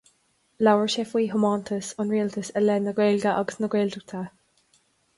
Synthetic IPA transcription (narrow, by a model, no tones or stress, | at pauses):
lawəɹʃɛfwiːɦʊmɔntʰəsɔnɹiːltʰəsɛlɛnːəɡɹeːlɡaʔɔ̰ɡsnəɡɹeːldək̚t̪ʰa